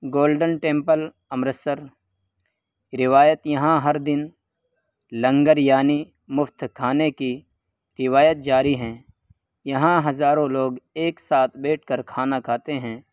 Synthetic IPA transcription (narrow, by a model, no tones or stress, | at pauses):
ɡoːlɖənʈẽːmpəl | ɐmɾəsəɾ | ɾɪʋaːjət̪jɐɦãɦɐɾd̪ɪn | lɐ̃ŋɡəɾjaːni | mʊft̪kʰaːneki | ɾɪʋaːjət̪̚d͡ʒaːɾiɦɛ̃ː | jɐɦãɦɐzaːɾõloːɡeːksaːt̪ʰbeːʈ̚ʰkəɾkʰaːnakʰaːt̪eɦɛ̃ː